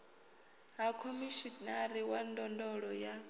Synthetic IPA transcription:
ɦakʰomiʃinaɾiwandɔndɔɺɔja

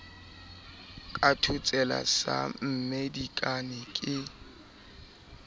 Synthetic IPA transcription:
kʼatʰʊt͡sʼɛla̰sa̰m̩medikʼanɪkʼɪ

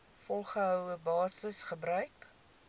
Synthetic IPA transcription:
fɔlˠχəɦœwəbɑːsəsχəbɾœɥk

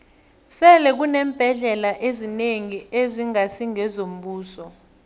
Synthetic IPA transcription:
sɛlɛk̬unɛːmb̥ʱɛɮɛlaʔezineŋieziŋasiŋɛzom̩ɓuːsɔ

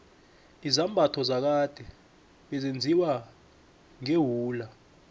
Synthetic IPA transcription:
izambʱatʰɔzak̬ad̥ʱɛ | ɓɛzend͡zʱiwa | ŋeɦuːla

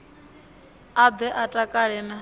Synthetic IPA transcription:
ad̪ɛʔatʼakʼaɺɛna

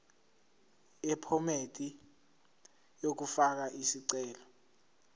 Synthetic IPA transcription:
ɛpʰɔmetʼi | jok̬ufak̬aʔisiǀɛːlɔ

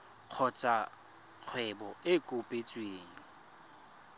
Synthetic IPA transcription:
q͡χʰɔt͡sʼa | k͡xʰwɛbɔɪkʼʊpʼet͡sʼweːŋ̩

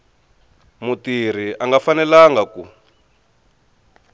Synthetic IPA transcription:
mutir̤iʔaŋɡafanɛlaŋɡaku

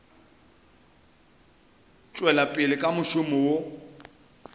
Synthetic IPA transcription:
t͡ʃʼwɛlapʼɪlɪkʼamʊʃʊmɔwo

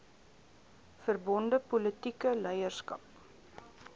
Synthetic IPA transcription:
fərbɔndəpɔlətikəlɛjərskɐ̰p̚

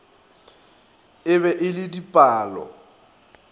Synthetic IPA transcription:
ɪβɛʔɪlɪdipʼaːlɔ̰

